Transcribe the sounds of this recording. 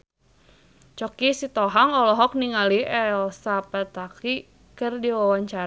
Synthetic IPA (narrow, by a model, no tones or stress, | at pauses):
t͡ʃɔkisit̪ɔɦaŋɔlɔɦɔk̚niŋaliɛlsapat̪aki | kɨrdiwawaɲt͡ʃaɾ